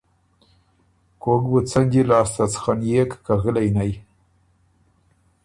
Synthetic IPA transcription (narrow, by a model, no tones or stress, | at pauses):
koɡbət͡sanʲd͡ʒilɑːst̪at͡sxanjekkaɣəlajnaj